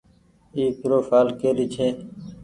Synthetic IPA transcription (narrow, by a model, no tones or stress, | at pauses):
iːkɾoːfaːlkeːɾiːt͡ʃʰeː